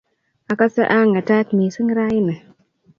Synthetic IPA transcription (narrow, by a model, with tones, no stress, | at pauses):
a˨ka˦sə˦ʔa˦ŋa˨ta˦tmi˨sɨ˦ŋ˦ɾa˦ji˦nə˨